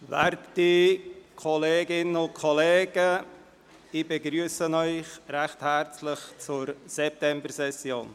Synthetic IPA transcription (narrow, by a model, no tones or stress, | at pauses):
vɛɾttikʰɔleːɡɪnənʊntkʰɔleːɡ̥ə | ibeɡɾyːsənœʏχɾæχthæɾt͡slɪχt͡sʊɾsɛp̚tɛmbərsɛsjoːn